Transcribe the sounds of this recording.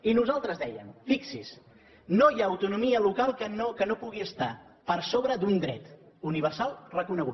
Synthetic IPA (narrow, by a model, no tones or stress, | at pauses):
inuzalˠt̪ɾəzdɛjə̰mfiksis | nojaəwt̪unumiəlukalˠkənokənopuɣiəst̪a | pəɾsoβɾəd̪und̪ɾɛt̪ | uniβ̞ərsalˠrəkunəɣṵ